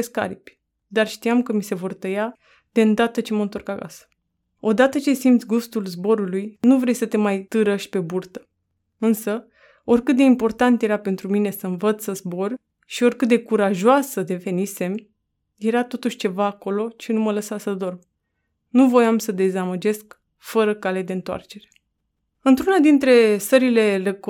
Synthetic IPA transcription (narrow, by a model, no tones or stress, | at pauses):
eska̰ɾipʲ | d̪arʃt̪iamkəmise̞vo̞rt̪əja | d̪̥eɨnd̪at̪ət͡ʃe̞məɨnt̪oorkaka̰sə̥ | o̞d̪at̪ət͡ʃe̞simt̪sʲɡust̪ulzbo̞ɾulujnuvɾe̞jsət̪e̞majt̪ɨɾəʃi̥pe̞burt̪ə̥ | ɨnsə | o̞rʲkɨt̪̚d̪e̞impo̞rt̪ant̪je̞ɾape̞nt̪ɾumine̞səɱvət̪ssəzbo̞r | ʃio̞rʲkɨt̪̚d̪e̞kuɾaʒoasəd̪e̞ve̞nise̞m | je̞ɾat̪o̞t̪uʃʲt͡ʃe̞vaːko̞lo̞t͡ʃenumələsasəd̪o̞rb | nuvo̞jamsəd̪e̞zaməd͡ʒe̞sk | fəɾəkale̞d̪e̞ɨnt̪oa̰rt͡ʃe̞ɾe̞̥ | ɨnt̪ɾunad̪int̪ɾe̞səɾile̞lek